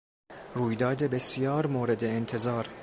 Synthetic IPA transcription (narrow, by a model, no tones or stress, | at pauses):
ɾuːjd̪ɒːd̪e̞be̞sijɒːɾmoːɾe̞d̪e̞ːnt̪ʰe̞zɒːɾ